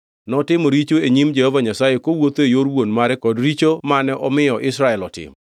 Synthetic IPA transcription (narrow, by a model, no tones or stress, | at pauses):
nɔtɪmoɾit͡ʃoeɲimd͡ʒɛhɔvaɲasajekowot̪oejoɾwonmaɾɛkɔdɾit͡ʃomanɛʔɔmɪjɔʔɪsɾaɛlɔtɪ̰m